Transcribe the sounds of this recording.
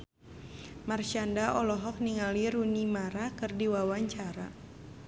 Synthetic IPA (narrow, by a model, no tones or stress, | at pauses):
marʃandaʔɔlɔɦɔk̚niŋaliɾunimaɾakɨrdiwawaɲt͡ʃaɾa̰